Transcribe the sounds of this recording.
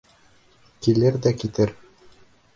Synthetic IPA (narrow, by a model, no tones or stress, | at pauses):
kilɘɾd̪ækit̪ɘɾ